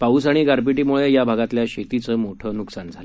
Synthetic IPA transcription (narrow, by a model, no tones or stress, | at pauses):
pauːsaɽ̃iɡaɾpiʈiːmuɭejabʱaɡat̪ljaɕet̪it͡səːmoʈʰənuksand͡zʱalə